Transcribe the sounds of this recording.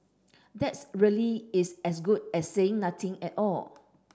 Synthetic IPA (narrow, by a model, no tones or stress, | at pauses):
dɛtsɹiliɪsɛsɡud̚ɛsːeɪ̃ŋnat̪ʰɪ̃ŋɛtɔl